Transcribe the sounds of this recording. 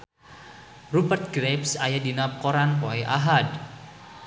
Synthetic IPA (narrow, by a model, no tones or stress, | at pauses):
rupərt̪̚ɡɾepsajadinap̚koɾanpoɛʔa̰ɦad